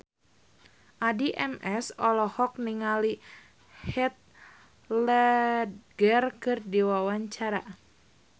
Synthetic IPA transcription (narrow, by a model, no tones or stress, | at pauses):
ʔadiʔɛmɛsɔlɔhɔk̚niŋali | hɛt̪̚ | lɛ | ɡərkɨrdiwawaɲt͡ʃaɾa